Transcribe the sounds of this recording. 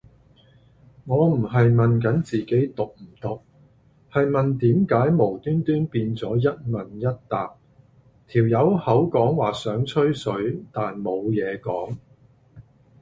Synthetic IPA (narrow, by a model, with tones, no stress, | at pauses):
ŋɔː˨˧m̩˨˩ɦɐ˨jmɐ˨nk̬ɐ˨˥nt͡siː˨ke˨˥jt̪ʊ˨k̚m̩˨˩t̪ʊ˨k̚ | hɐ˨jmɐ˨nt̪iː˨˥mkaː˨˥jmo˨˩wt̪yː˥nt̪yː˥npiː˧nt͡sɔː˨˥jɐ˥t̚mɐ˨njɐ˥t̚t̪aː˨˩p̚ | t̪ʰiː˨˩wjɐ˨˧whɐ˨˥wkɔː˨˥ŋwaː˨sœː˨˥ŋt͡ʃʰɵ˥ɥsɵ˨˧˥ɥt̪aː˨nmo˨˧wjɛː˨˧kɔː˨˥ŋ